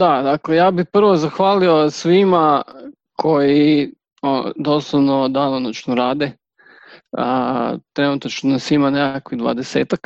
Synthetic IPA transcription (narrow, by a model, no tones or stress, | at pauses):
d̪ad̪aklejaːbipr̩ʋozaxʋaːlio̞sʋima | kʰo̞ji | o̰d̪oslˠaʋnod̪anonot͡ʃnoɾaːd̪e | ət̪ɾe̞nut̪at͡ʃnonasʋimanekakʋid̪ʋa̰d̪eseːt̪ak